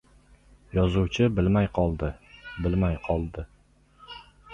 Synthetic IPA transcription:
jɒzuwt͡ʃʰɪbɪlmajqʰɒlˠd̪ɪbɪlmajqʰɒlˠd̪ɪ

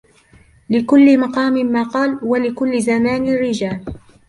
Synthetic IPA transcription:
lɪkʊlːɪmɑqɑːmɪːaːqɑːlwalɪkʊlːɪzamaːnɪrːɪd͡ʒaːl

